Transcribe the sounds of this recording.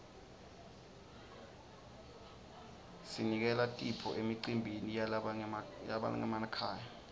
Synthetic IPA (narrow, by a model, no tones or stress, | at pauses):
sinik̬ɛlatʼipʰɔ̰ʔemiǀimbʱini | ja̰ɓa̰la̰ŋɛ̰manakʰaːja